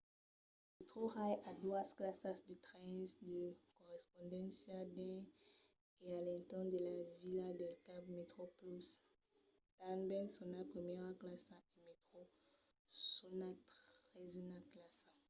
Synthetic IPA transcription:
met̪χoʁajad̪wasklasasd̪ət̪ʁɛ̃sd̪əkɔʁɛspɔ̃nd̪ɑ̃sad̪ɛ̃ | ealɛ̃t̪ɑ̃d̪əlavilad̪elkabmet̪χoplys | t̪anbɛlsɔnapχimjɛʁaklasaemet̪χo | sunat̪ʁɛznaklasa

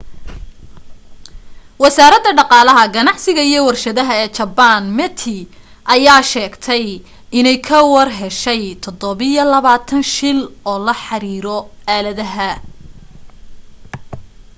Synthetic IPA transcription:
wɑsaːɾɐd̪ɐɖɑqɑːlɐɦɐɡɐnɑʕsɪɣɐijɞwɐrʃɐðɐɦɐɛːt͡ʃɐbanmɛt̪ʰɪ | ʔɐjaːʃɛːɡt̪ʰɛj | ʔɪnɛjkʰɐwɑrɦɛʃɛjt̪ʰɔd̪ɔβɪjɐlɐβaːt̪ʰɐnʃɪlɔːlɐħɑɾiːɾɔaːlɐðɐɦɐ

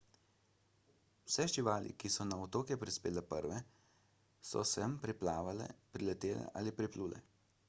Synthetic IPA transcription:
w̥sɛʒiʋaːlḭkisɔnaɔt̪oːkjɛpɾispeːlɛpəɾʋɛ | sɔ̰sɛmpɾiplaːʋalɛ̰pɾilɛt̪eːlɛ̰ʔaːlipɾipluːlɛ̰

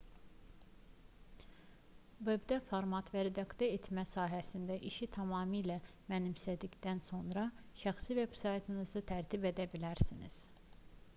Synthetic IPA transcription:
vebd̪æfoɾmɑt̪væɾed̪ɑkt̪oɾet̪ʰmæsɑːɦæsind̪æʔiʃit̪ʰɑmɑːmilæ | mænimsæd̪icd̪ænso̞nɾɑʃæxsive̞b̥sɑjt̪ʰinizɯt̪ʰæɾt̪ʰibe̞d̪æbilæɾsinḭz̥

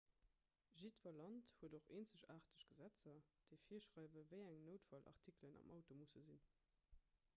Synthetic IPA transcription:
ʒitvɐlɑnthuədoχeːnt͡səɕaːʁtəɕɡ̥əzæt͡sɐd̥əɪfiːɐʃʁɑɪvəvəɪæŋnəʊtfɑlʔɑ̰ʁtʰiklənʔɑ̰mʔɑʊtomusəzin

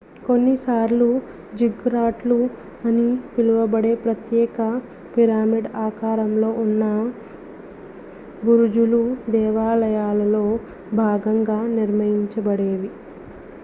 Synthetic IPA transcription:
ko̞nːisaːɾlu | d͡ʒiɡɾaːʈlu | ɐnipiluʋɐbɐɽe̞ːpɾɐt̪jɛːkɐ | piɾaːmiɖaːkaːɾɐmlo̞ːʔunːɐ | buɾud͡ʒulud̪ɛːʋaːlɐjaːlɐlo̞ː | bʱaːɡɐŋɡaːniɾmɐjiɲt͡ʃɐbɐɽeːʋi

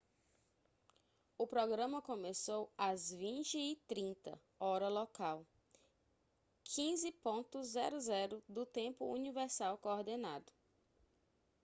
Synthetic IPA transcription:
ʊpɾɔɡɾɐ̃mɐkõmesowɐzvĩt͡ʃɪːt̪ɾĩnt̪ɐ̰ | ɔɾɐlɔkaw | kʰĩzɪpõt̪ʊzːɛɾʊzɛɾʊd̪ʊt̪ẽpʊṵnivɛɾsawkooɾd̪enad̪ʊ

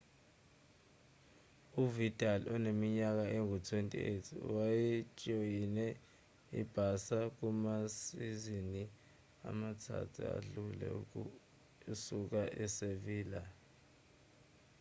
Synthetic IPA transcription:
uvitʼalɔnemiɲak̬aeŋutʰwentʼḭetʰiwajit͡ʃʼɔjinɛ | ḭb̥ʱasak̬umasizini | a̰matʰa̰tʰṵa̰ɬulɛ̰u | suk̬aʔɛseviːla

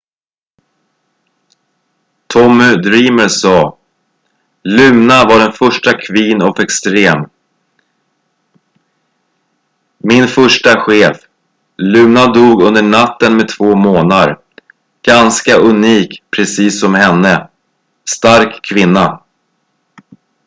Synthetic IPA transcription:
t̪ʰɔmɵd̪ɾiːməɾsɑː | lʉ̟mnavaɖɛnfœʂʈakʰviːnɔfɛkst̪ɾeːm | mɪnfœʂʈaɧeːf | lʉ̟ːmnad̪uːɡɵnd̪əɳat̪ːənmɛt̪ʰvoːmoːnaɾ | ɡ̥anskaʔɵniːkpʰɾɛsiːsːɔmhɛnːə | st̪aɾkʰːvɪnːa

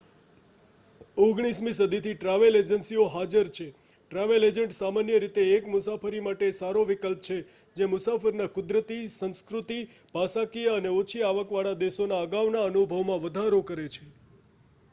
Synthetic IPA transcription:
oɡɽ̃ismĩsəd̪ʱit̪ʰiʈɾaʋeled͡ʒənsioɦad͡ʒəɾt͡ʃʰe | ʈɾaʋeled͡ʒəɳʈsamanjəɾit̪eːkmʊsafəɾimaʈesaɾoʋikəlp̚t͡ʃʰe | d͡ʒemʊsafəɾnãkʊd̪ɾət̪isə̃nskɾut̪i | bʱasakijaəneot͡ʃʰiaʋəkʋaɭad̪esonaəɡaʋnaənubʱəʋmãʋəd̪ʱaɾokəɾet͡ʃʰe

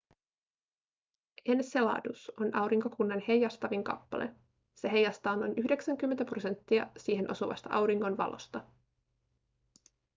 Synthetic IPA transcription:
enselɑ̰ːduso̞nʔɑwɾiŋko̞kunːɑnhe̞jːɑst̪ɑʋiŋkɑ̰pːɑ̰lʔe̞̰ | se̞ɦe̞jːɑst̪ɑːnonʔyçde̞ksæŋk̟ymːent̪æpro̞se̞nt̪ːiɑsiːɦe̞nʔo̞suʋɑ̰st̪ɑʔɑwɾiŋːo̞nʋɑ̰lʔo̰st̪ɑ

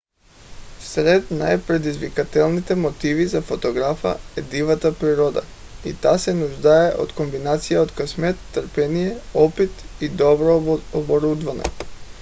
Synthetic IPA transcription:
sɾɛd̪najpɾɛd̪izvikat̪ɛlˠnit̪ɛmot̪ivizafot̪oɡɾafa̰ɛd̪ivat̪apɾiɾɔd̪a̰ | ḭt̪asɛnuʒd̪aɛʔo̰t̪kombinat̪sijaot̪kasmɛt̪ːɾpɛnijɛɔpit̪id̪ɔbɾɔobɔɾud̪vanɛ̰

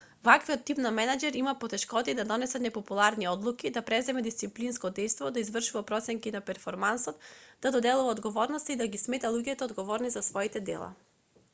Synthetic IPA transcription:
vakviɔt̪ːipnamɛnad͡ʒɛɾimapɔt̪ɛʃkɔt̪id̪ad̪ɔnɛsat̪nɛpɔpulˠaɾniɔd̪lˠukid̪apɾɛzɛmɛd̪ist̪siplinskɔd̪ɛjst̪vɔd̪aizvr̩ʃuvapɾɔt̪sɛŋkinapɛɾfɔɾmansɔt̪d̪ad̪ɔd̪ɛlˠuvaɔd̪ɡɔvɔɾnɔst̪aid̪aɡismɛt̪alˠuɟɛt̪ɛɔd̪ɡɔvɔɾnizasvɔit̪ɛd̪ɛ̰lˠa̰

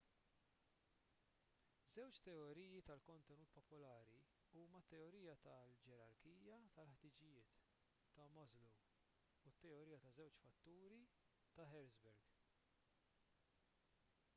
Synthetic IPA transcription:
zɛwt͡ʃt̪ɛɔɾiːjit̪ɐlkɔnt̪ɛnuːt̪pɔpɔlɐːɾi | uːmɐt̪ːɛɔɾiːjɐt̪ɐld͡ʒɛɾɐɾkiːjɐt̪ɐlħt̪ɪd͡ʒɪjɪːt̪ː | ɐmɐzlu | ʊt̪ːɛɔɾiːjɐt̪ɐzɛwt͡ʃfɐt̪ːuːɾi | t̪ɐħɛɾzbɛɾɡ

